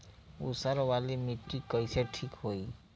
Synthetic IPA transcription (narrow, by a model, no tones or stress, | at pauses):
ṵsaɾʋalimiʈːikəjseʈʰikɦoi